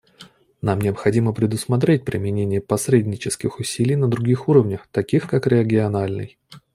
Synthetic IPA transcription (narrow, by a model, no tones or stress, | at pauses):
namnʲɪəpxɐdʲiməpɾʲɪd̪ʊsmɐt̪ɾʲet̚ʲpɾʲɪmʲɪnʲenʲɪjəpɐsɾʲedʲnʲɪt͡ɕɪskʲɪxʊsʲilʲɪjnəd̪ɾʊɡʲixuɾəvnʲəxt̪ɐkʲixkakɾʲɪəɡʲɪɐnalʲnɨ̰j